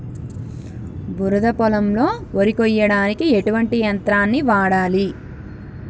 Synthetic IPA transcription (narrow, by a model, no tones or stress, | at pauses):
buɾɐd̪ɐpɔlɐmlo̞ːoɾikɔjɐɽaːnikieʈuʋɐɳʈijɐnt̪ɾaːnːiʋaːɽaːli